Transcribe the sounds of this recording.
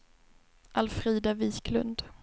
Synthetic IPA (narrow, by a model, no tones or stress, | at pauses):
ʔalfɾiːd̪aviːklɵ̰nd̪